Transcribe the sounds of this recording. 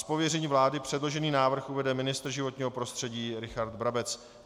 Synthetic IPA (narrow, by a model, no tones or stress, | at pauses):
spo̞vjɛrɛɲiːvlaːdɪpr̝̥ɛdlo̞ʒɛniːnaːvr̩xʔuvɛdɛmɪnɪst̪r̩ʒɪvo̞t̪ɲiːɦopɾo̞st̪r̥ɛɟiːɾɪxaɾd̪bɾabɛt͡s